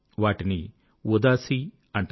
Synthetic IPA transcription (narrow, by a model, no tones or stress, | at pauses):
ʋaːʈini | ud̪aːsi | ɐɳʈ